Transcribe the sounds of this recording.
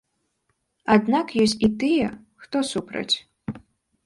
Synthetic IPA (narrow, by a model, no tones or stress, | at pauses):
ad̪nakjɔsʲt͡sʲit̪ɨjɛ | xt̪ɔsupɾɐ̰t͡sʲ